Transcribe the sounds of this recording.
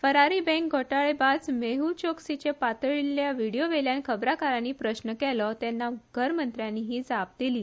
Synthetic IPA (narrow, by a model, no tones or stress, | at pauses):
fəɾaɾiːbɛ̃ŋk̚ɡʱoʈaɭebad͡zmeɦut͡ɕoksit͡ɕepat̪ɭiljaʋiɽijoʋeljankʰəbɾakaɾaniːpɾəɕnəkɛlɔt̪ɛnːaɡ̥ʱəɾmənt̪ɾjanːiɦiːd͡zap̚d̪iliː